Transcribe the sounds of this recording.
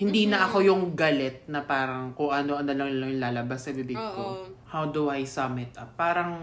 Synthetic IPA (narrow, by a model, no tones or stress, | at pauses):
hɪnd̪iːnɐʔɐko̞jʊŋɡɐlɛt̪̚nɐpaːɾɐŋkoŋʔɐnoʔɐnolɐŋlɐŋjʊŋlaːlɐbassɐbibɪɡ̚kohawd̪ʊʔajsɐmɪt̪̚ʔɐpaːɾɐŋ